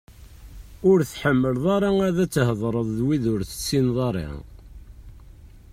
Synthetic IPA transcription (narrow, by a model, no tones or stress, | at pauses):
ʊɾθħəmːəlðˤɑɾˤɑŋæðæt͡sːhəðˤɾˤəðˤðwiðʊɾθə̥t͡sːinðˤɑɾˤḭŋ